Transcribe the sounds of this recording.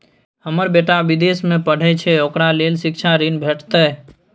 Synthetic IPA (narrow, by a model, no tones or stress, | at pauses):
həməɾbeʈaʋid̪esmẽpəɽ̤ʱɛt͡ʃʰɛokɾalelsik̚t͡ʃʰaɾinbʱeʈt̪ə